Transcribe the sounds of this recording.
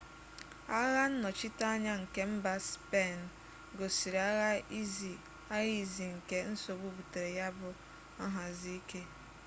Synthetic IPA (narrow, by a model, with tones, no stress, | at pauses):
a˦ɣa˦n̩˦nɔ˨t͡ʃɪ˦ta˦a˦ɲa˦ŋ̩˨ke˦m̩˦ba˦spe˦˨n˨ | ɡo˨si˨ɾa˦ɣa˦i˦zi˨ | a˦ɣi˦˨zi˨ŋ̩˨ke˦n̩˦so˨bu˦bu˨te˨ɾe˨ja˦bʊ˨ | a˦ɦa˨zi˦ke˦